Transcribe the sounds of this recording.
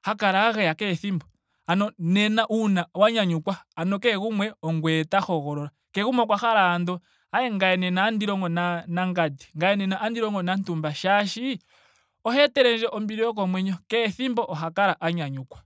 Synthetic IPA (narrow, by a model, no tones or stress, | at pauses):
hakaɾaːɣɛjakɛθimbɔ | anɔnɛnaʔunawaɲaɲukwaːnɔkɛɣumwɛɔŋɡwɛtaxɔɣɔɾɔɾa | kɛɣumwɔkwaxaɾaːndɔ | ajɛŋɡajɛnɛnaːndiɾɔŋɡɔnanaŋɡadi̥ŋɡajɛnɛnaʔandiɾɔŋɡɔnantumbaʃaʃi | ɔɦɛtɛɾɛnd͡ʒɛʔɔmbiɾiɔk̬ɔmwɛɲɔkɛθimbɔʔɔɦakaɾaʔaɲaɲukwḁ